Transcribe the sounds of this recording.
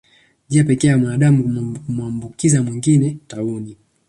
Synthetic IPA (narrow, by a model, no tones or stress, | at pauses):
ʄiapɛkɛːjamwanaɗamukuumuambukizamwiŋɡinɛtauni